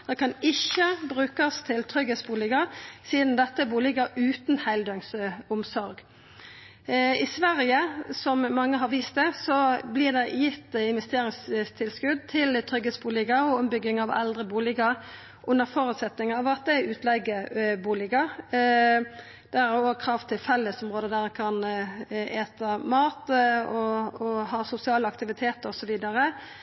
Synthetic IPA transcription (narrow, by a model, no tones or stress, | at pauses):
d̪̥ɛkʰɑnɪçːəbʁʉːkɑst̪ʰɪlt̪ʰʁʏɡheːsbuːlɪɡɑsiːd̪n̩d̪ɛt̪ːəbuːlɪɡəʔʉːt̪nhæɪld̪œŋsʊmsɔɾɡ | ɪsʋæʁjəsɔmmɑŋːəɦɑʁʋiːst̪̚d̪ɛsɔblɪːʁd̪ɛjɪt̪ːɪnʋɛst̪eːʁɪŋst̪ʰɪlskʉd̪̚t̪ʰɪlt̪ʰʁʏɡheːsbuːlɪɡəɔɔmbʏɡːɪŋɑʋɛ̰ld̪ʁəbuːlɪɡɑʁ | ʔʊnːəɾfɔɾʉːt̪sɛt̪nɪŋɑʋɑt̪̚d̪ɛæʉːt̪ʰlɛɡəbuːlɪɡɑ | d̪̥ɛææoːɡ̚kʰɾɑːft̪ʰɪlfɛlːəsʊmʁoːd̪əd̪æʁɛkʰɑn | eːt̪əmɑːt̪ɔɔhɑːsʊsɪɑːləɑkt̪ɪʋɪt̪ʰeːt̪əɾɔsɔʋiːd̪ɑʁə